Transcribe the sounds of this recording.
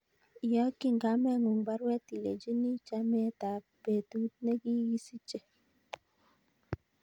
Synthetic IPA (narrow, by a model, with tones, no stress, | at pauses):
ja˦ki˦˨ŋɡa˨˦mɛ˦˨ŋu˨ŋba˦ɾwɛ˦ti˨le˨d͡ʒi˦ni˦t͡ʃa˦mɛ˦ta˨ | b̥e˨tu˦t̚ne˦ki˦ɣi˦si˦t͡ʃe˨